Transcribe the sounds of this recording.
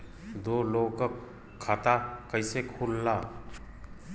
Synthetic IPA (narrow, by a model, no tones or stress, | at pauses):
d̪oloɡkəkʰː | at̪akəjsekʰulːa